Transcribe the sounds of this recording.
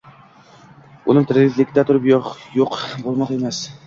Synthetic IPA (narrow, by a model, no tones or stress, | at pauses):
ʊ̰nɪŋt̪ʰɾɡɪt̪lɪkʲɪd̪æt̪ʰʊɾɪpjjoqbolˠmɑqemæs